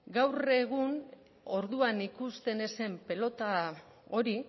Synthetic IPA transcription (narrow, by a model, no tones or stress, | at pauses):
ɡawre̞ɣ̞un | o̞ɾðuanikust̪e̞ne̞se̞mpe̞lo̞t̪a | o̞ɾi